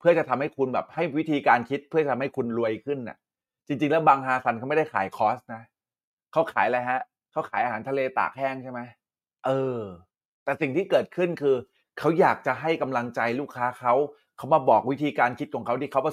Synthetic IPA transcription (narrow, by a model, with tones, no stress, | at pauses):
pʰɯ˥˩ɐt͡ɕa˨˩t̪ʰa˧mha˥˩jkʰu˧nbɛ̰ː˨˩p̚ha˥˩jwi˦˥t̪ʰiː˧kaː˧nkʰi˦˥t̪̚pʰɯ˥˩t͡ɕa˩t̪ʰa˧mha˥˩jkʰu˧nɾu˧əjkʰɯ˥˩nʔa̰˨˩ʔ | t͡ɕi˧ŋt͡ɕi˧ŋlɛː˦˥wbaː˧ŋɦaː˧sa˧˦nka˦˥m˥˩da˥˩jkʰaː˨˩˦jkʰɔː˦˥st̚na˦˥ | kʰa˦˥wkʰa̰ː˨˩˦jla˧jɦa˦˥ | kʰa˦˥wkʰaː˩˦jʔaː˧ɦaː˩˦nt̪ʰleː˧t̪a̰ː˨˩k̚hɛː˥˩ŋt͡ɕʰa˥˩jma˦˥j | ʔɤː˧ | t̪ɛː˨˩si˨˩ŋt̪ʰiː˥˩kɤː˨˩t̪̚kʰɯ˥˩nkʰɯː˧ | kʰa˦˥wjaː˨˩k̚t͡ɕa˨˩ɦa˥˩jka˧mla˧ŋt͡ɕa˧jluː˥˩kʰːaː˦˥kʰa˦˥w | kʰa˦˥wmaː˧bɔː˨˩k̚wi˦˥t̪ʰiː˧kaː˧nkʰi˦˥t̪̚kʰɔː˩˦kʰa˦˥wt̪ʰiː˧˥˩kʰwpɔ˧˩